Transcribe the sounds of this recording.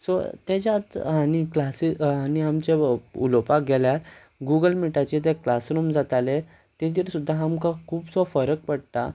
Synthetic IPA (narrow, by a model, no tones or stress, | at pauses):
sɔ̰t̪ed͡ʑat̪añiklasianiamt͡ɕeṵlɔpak̚ɡʱɛlja | ɡuɡəlmiʈat͡ɕet̪̬ɛklasɾumd͡zat̪ale | t̪ɛ̃t̪̬iɾsud̪ʱːaamkãkʰuːpsɔfəɾək̚pəɽt̪a̰